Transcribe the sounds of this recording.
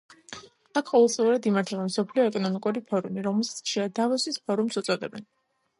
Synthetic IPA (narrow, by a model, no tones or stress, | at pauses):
akʰqʼɔvɛlˠt̪sʼliuɾad̪imaɾt̪ʰɛbamsɔpʰliɔɛkʼɔnɔmikʼuɾipʰɔɾumiɾɔmɛlˠsḁt̪ʰʃiad̪avɔsispʰɔɾumsut̪sʼɔd̪ɛbɛn